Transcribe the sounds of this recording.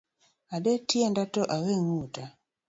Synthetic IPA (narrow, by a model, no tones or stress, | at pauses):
aɗɛtiɛndatɔʔaweŋuta